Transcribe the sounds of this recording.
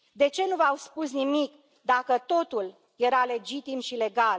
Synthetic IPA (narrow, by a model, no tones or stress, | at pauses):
d̪e̞t͡ʃe̞nuvawspusnimik | d̪akət̪o̞t̪ul | je̞ɾale̞d͡ʒit̪imʃile̞ɡal